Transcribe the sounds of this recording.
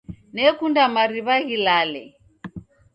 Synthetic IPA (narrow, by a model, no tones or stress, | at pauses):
nɛkundamaɾiβaɣilalɛ̰